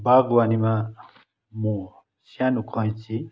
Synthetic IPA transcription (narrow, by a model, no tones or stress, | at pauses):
baɡwanima | mũ | sanukʰɔj̃t͡sʰi